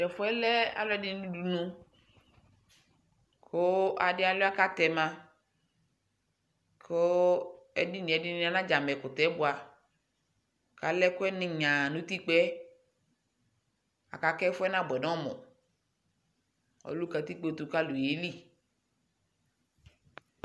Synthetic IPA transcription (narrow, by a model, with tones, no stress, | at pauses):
dɛ˨fʊ˦ɛ˦lɛ˦a̰˦lɔ˦ɛ˦dɪ˦n˦nũ˦du˨nũ˦ | kʰo˦a˨dɪ˦a˨lʊ˦a˦ka˦t̪ɛ˨mã˦ | kʰo˦ɛ˦di˦nĩ˨ɛ˨dɪ˦n˦a˨˦nã˦d͡ʒa˨mɛ˨kʊ˨t̪ɛ˨˦bʊ˨a˨ | ka˨lɛ˦kʊ˦ɛ˦nɪ̃˨ɲã˨nũ˦t̪i˦k͡pɛ˦ | a̰˨ka˨kɛ˦fʊ˦ɛ˦nã˦bɛ˨nɔ̃˦mɔ̰̃˨ | o̰˨˦lu˦ka˨t̪i˦k͡pe˦t̪u˨ka˦lu˨je˨˦li˦˨